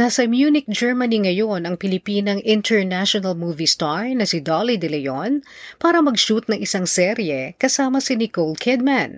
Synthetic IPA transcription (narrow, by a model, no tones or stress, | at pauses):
nasɐmjuːnɪk̚d͡ʒɛɹmɐniŋɐjo̞nɐŋpɪlɪpiːnɐŋʔɪnt̪ɛɹnaʃonɐlmuːvist̪aɹnɐsɪd̪olid̪ɛlɛjonpaːɾɐmɐɡʃut̪̚nɐŋʔɪsɐŋsɛɾjɛkɐsaːmɐsɪnɪkold̪̚kʰɛd̪̚mãn